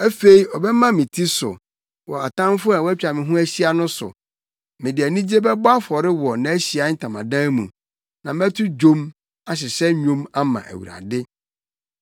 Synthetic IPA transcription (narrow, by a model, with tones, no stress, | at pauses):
æ˦fe˨i˦ɔ˨bɛ˦mã˦mɪ̃˨tʰi˦sʊ̰˨ | wɔ˨a˨tʰã˦m˦fʊ˦a˨wɔ˦æ˦t͡ɕᶣa˨mɪ̃˨ɦũ˦æ˦ɕi˦a˨nʊ̃˦sʊ̰˨ | mɪ̃˨dɪ˨æ˨nĩ˦d͡ʑi˦e˦bɛ˦bʊ˦a˦fɔ˨ɾɪ˦wɔ˨nã˨æ˦ɕi˨a˦n̩˦tʰã˨mã̰˨dãː˦mũ˨ | nã˨m˦ɛ˦tʰʊ˦d͡ʑõ˦m | a˨ɕ̬ɪ˨ɕɛ˦ɲᶣũ˦ma˦mã̰˨ʔæ̰˨wṵ˨ɾa̰˨dɪ˦